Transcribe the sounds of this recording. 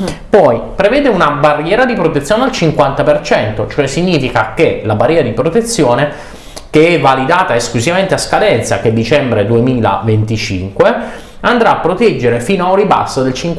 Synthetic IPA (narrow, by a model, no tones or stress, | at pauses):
pɔjpɾevɛːd̪eunabarːjɛːɾad̪ipɾot̪et̪sːjoːnealt͡ʃiŋkwant̪apert͡ʃɛnt̪ot͡ʃoɛsːiɲːiːfikakelabarjɛːɾad̪ipɾot̪et̪sːjoːne | keɛvalid̪aːt̪aesklusivament̪easkad̪ɛnt̪sa̰ked̪it͡ʃɛmbɾed̪uemiːla̰vent̪it͡ʃḭŋkwe | and̪ɾaːpːɾot̪ɛd͡ʒːeɾefiːnoauriba̰sːod̪elt͡ʃiŋk